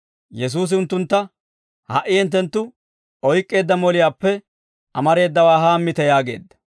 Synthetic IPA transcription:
jɛs̬uːs̬ɪʊnt̪ːʊnt̪ːɐ | hɐ̰ʔɪɛnt̪ːɛnt̪ːʊ | ʔɔjkʼːe̞ːd̪ːɐmɔlɪjaːpːɛ | ɐmɐɾe̞ːd̪ːɐwaːɦaːmːɪt̪ɛjaːɡe̞̰ːd̪ːɐ̥

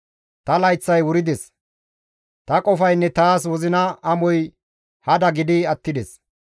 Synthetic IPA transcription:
t̪ɐlɐjt͡sːɐjwʊɾɪd̪ɛs | t̪ɐkʼɔfɐjnːɛt̪aːs̬wɔzɪnɐɐmɔj | hɐd̪ɐɡɪd̪ɪɐt̪ːɪd̪ɛs

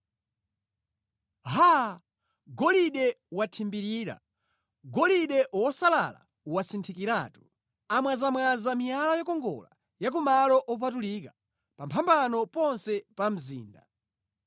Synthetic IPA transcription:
ɦa | ɡɔliɗɛwatʰimbiɾiːɾa̰ | ɡɔliɗɛʔwɔsala̰la̰ | uwasintʰikiɾaːtu | amwazamwazamijalajɔkɔŋɡɔ̰la | jak̬umalɔʔɔp̬atulika | pampʰambanɔpɔnsɛpam̩zḭːnda

